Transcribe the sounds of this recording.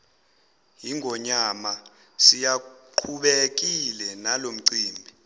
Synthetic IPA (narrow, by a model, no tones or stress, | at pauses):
jiŋʱɔɲama | sijaǃʰuɓek̬ilɛnalom̩ǀiːmbʱi